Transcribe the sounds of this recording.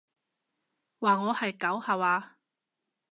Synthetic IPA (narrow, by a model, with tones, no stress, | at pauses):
waː˨˩ŋɔː˨˧hɐ˨˩jkɐ˨˥whɐ˨˩waː˧